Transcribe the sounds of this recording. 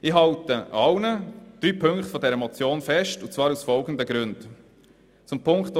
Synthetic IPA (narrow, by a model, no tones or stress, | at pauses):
ɪːɦɑltəʔɑwnəd̪̥ɾyːpʰɵŋkχtfɔdɛɾəɛmɔt͡sjoːnfɛʃtʊt͡svɑːɾusfɔlɡənd̪əɡɾʉnd | t͡sʊmpʰʊŋkt